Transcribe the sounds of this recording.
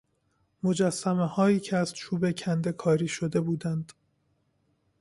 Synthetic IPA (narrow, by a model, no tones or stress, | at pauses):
mo̞d͡ʒæsːæmehɒːiːcʰeæz̥t͡ʃʰuːbe̞cʰænd̪e̞kʰɒːɾiːʃo̞d̪e̞buːd̪ænd̪̥